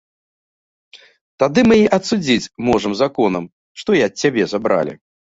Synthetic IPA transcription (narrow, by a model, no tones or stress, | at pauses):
t̪ad̪ɨmɨiʔɐt̪sud͡zʲit͡sʲmɔʐɐmzakɔnɐm | ʂt̪ɔjiɐt̪̚ʲt͡sʲːabʲɛzabɾa̰lʲḭ